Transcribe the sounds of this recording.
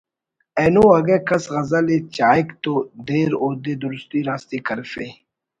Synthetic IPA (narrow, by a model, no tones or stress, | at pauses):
eːnuɐɡekɐsɣɐzalet͡ɕaːikt̪od̪eːɾoːd̪ed̪ʊɾʊst̪iːɾaːst̪ikɐɾfe